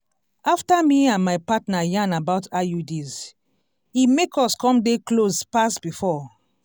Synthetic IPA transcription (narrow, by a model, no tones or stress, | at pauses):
aftamiãnmajpatnajãnabaʊtajudiz | imekɔskɔ̃mdeklozpasbifɔ